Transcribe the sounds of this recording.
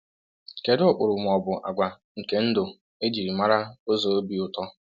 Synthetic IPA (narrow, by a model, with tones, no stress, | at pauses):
ke˨dʊ˦ʊ˨k͡pʊ˨ɾʊ˨m˨ɔ˨bʊ˨ʔa̰˨ɡʷa˨ | ŋ̩˨ke˨n̩˦dʊ˨ | e˦d͡ʒi˨ɾi˨ma˦ɾa˦o˦zo˨o˦bi˨ʊ˨tɔ˦